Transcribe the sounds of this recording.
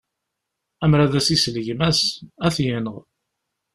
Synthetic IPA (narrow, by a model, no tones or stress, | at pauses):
æmɾæðæsisləʝmæsæθjənəʁ